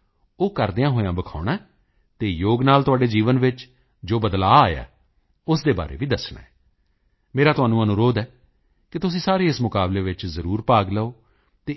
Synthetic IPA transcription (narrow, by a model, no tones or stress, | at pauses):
oːkəɾd̪eːãːɦoːjãːbəkʰaːɽaːɛ | t̪eːjoːɡnaːlt̪ʊaːɖeːd͡ʒiːʋənʋɪt͡ʃ | d͡ʒoːbəd̪la̰ːaːja̰ː | ʊsd̪eːba̰ːɾḛːʋiːd̪əsɳã̰ː | meːɾaːt̪ʊaːnũːənũːɾoːd̪ɛː | kɪt̪ʊsĩːsaːɾeːɪsmʊkaːbleːʋɪt͡ʃzəɾuːɾpaːɡləoː | t̪eː